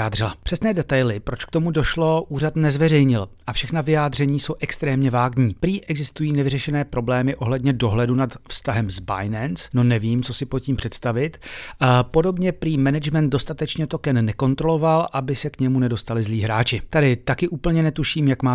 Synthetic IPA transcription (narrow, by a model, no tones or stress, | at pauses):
aːdrɪlapr̝̥ɛsnɛːdɛt̪ajlɪpɾo̞t͡ʃkt̪o̞mudo̞ʃlo̞ʔuːrat̪nɛzvɛrɛjɲɪlʔafʃɛxnavɪjaːd̪r̝ɛɲiːso̞wʔɛkst̪ɾɛːmɲɛvaːɡɲiːpɾiːʔɛɡzɪst̪ujiːnɛvɪrɛʃɛnɛːpɾo̞blɛːmɪʔo̞ɦlɛdɲɛdo̞ɦlɛdunat̪fst̪aɦɛmzba̰jnɛnsno̞nɛviːmt͡so̞sɪpot̪̚ciːmpr̥ɛt̪st̪avɪt̪ | po̞do̞bɲɛpɾiːmɛnɛd͡ʒmɛnt̪do̞st̪at̪ɛt͡ʃɲɛt̪o̞kɛnːɛko̞nt̪ɾo̞lo̞valʔabɪsɛkɲɛmunɛdo̞st̪alɪzliːɦɾaːt͡ʃɪt̪adɪt̪akɪʔuːpl̩ɲɛnɛt̪uʃiːmjakmaː